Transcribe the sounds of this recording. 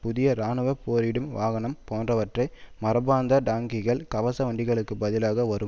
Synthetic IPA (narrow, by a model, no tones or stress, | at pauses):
pʊðɪjɐɾaːnɯʋɐpoːɾɪɽɯmʋaːɣɐɳɐmpoːndrɐʋɐʈrɐɪmɐɾɐbaːnd̪ɐɖaːŋɡɪɣɐɭkɐʋɐsɐʋɐɳɖɪɣɐɭɯkːɯbɐðɪlaːɣɐʋɐɾɯm